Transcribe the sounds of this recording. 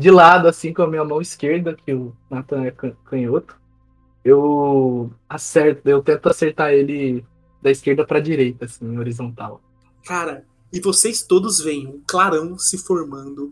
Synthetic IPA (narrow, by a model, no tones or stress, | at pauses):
d͡ʒɪlad̪ʊasĩkõmiwɐmɐ̃w̃iskeɾd̪ɐkʰɪʊnat̪ɐ̃ɛkɐ̃kʰɐ̃ɲot̪ʊ̥ | ew | asɛɾt̪ʊewt̪ẽnt̪ʊaseɾt̪aelɪ | d̪ɐiskeɾd̪ɐpɾɐd͡ʒiɾejt̪ɐasĩoɾizõnt̪aw | kaɾɐ | ɪvosejst̪od̪ʊzvẽj̃ɐ̃klaɾɐ̃w̃sɪfoɾmɐ̃nd̪ʊ